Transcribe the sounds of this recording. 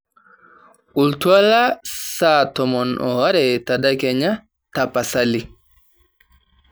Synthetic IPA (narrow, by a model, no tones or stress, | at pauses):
ultualasatɔmɔnʔɔ̰waɾɛtadakɛɲa | tapasali